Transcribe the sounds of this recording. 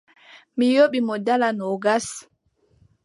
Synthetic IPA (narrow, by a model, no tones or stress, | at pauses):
mijoɓimɔdalanɔɡas